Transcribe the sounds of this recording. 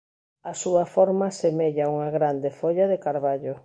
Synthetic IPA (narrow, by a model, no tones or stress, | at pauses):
ɐsuɐfɔɾmasemeʎauŋaɣɾand̪efoʎaðekaɾβaʎo